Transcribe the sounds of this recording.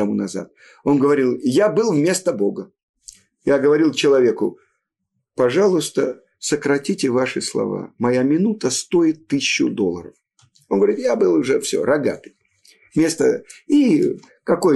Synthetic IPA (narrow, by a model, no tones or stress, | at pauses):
ɐmunɐza̰t̪̚ | o̞nɡəvɐɾʲilˠjabɨlˠvmʲe̞st̪əbo̞ɡə | jaɡəvɐɾʲilˠt͡ɕɪlˠɐvʲe̞kʊ | pɐʐalˠʊst̪ə | səkɾɐtʲitʲɪvaʂɨslˠɐ̰va̰mɐjamʲɪnut̪əst̪o̞ɪt̪ːɨsʲɪɕːʊd̪olˠːəɾəf | onɡəvɐɾʲit̪jabɨlˠʊʐɛfsʲo̰ɾɐɡa̰t̪ɨj | vmʲe̞st̪ə̰i | kɐko̞j